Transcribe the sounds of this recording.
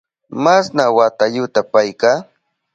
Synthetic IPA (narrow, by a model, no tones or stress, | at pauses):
masnawat̪ajʊt̪apajkaː